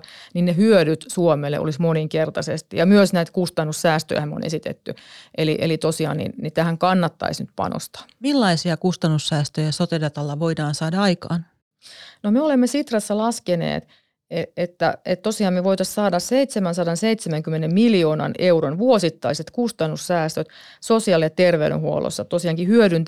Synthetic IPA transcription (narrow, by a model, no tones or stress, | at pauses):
ninnehyødyt̪suomelːḛʔo̰lismoniŋkert̪ɑsest̪ijɑmyøsnæit̪kust̪ɑnːussæːst̪ø̰jæhæmo̰nʔḛsit̪ḛt̪ːyʔeliʔḛlit̪osiɑ̰ːnnḭnnit̪æhæŋkɑnːɑt̪ːɑ̰isnyt̪pɑ̰no̰st̪ɑ̥milːɑisiɑkust̪ɑnːusːæːst̪øjæsot̪edɑt̪ɑlːɑʋoidɑːnsɑːdɑɑikɑːn | nomeolemːesit̪rɑsːɑlɑskenḛːt̪ | eet̪ːæ̰et̪t̪osiɑːmmeʋoit̪ɑssɑːdɑsseit̪semænsɑdɑnseit̪semæŋkymːenemmiljoːnɑ̰neuɾonʋuosit̪ːɑiset̪kust̪ɑnːussæːst̪øt̪ | sosiɑˑljɑt̪erʋeyɾḛ̃huo̰lo̰sːɑt̪osiɑŋkihyøɾynt̪